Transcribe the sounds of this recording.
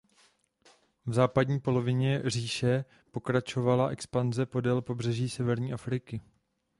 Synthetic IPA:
vzaːpadɲiːpo̞lo̞vɪɲɛr̝iːʃɛ | po̞kɾat͡ʃo̞valaʔɛkspanzɛpo̞dɛlpo̞br̝ɛʒiːsɛvɛɾɲiːʔafɾɪkɪ

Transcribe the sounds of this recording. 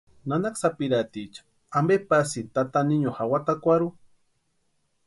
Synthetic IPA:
nanaksapiɾat̪it͡ʃ | ambepasit̪at̪aniɲoxawat̪akʷaɾu

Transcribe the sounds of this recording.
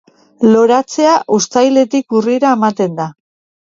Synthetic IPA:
lo̞ɾat͡se̞aʔust̪ajle̞t̪ikuriɾaemat̪e̞nd̪a

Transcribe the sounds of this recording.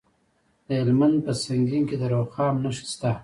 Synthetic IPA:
d̪əelmand̪̚pəsaŋɡiŋked̪əɾoxɑːmnaʃi̥st̪a

